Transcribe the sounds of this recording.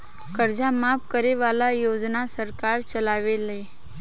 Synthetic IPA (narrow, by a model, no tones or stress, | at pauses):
kəɾd͡ʒamapkəɾeʋalajod͡ʒnasəɾkaɾt͡ʃəlaʋele